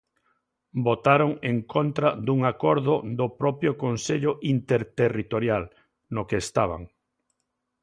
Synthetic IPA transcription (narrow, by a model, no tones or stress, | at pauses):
bot̪aɾoŋeŋkont̪ɾad̪uŋakɔɾðʊd̪ʊpɾɔpjokonseʎʊʔint̪eɾt̪erit̪oɾjal | nokeːst̪aβ̞a̰ŋ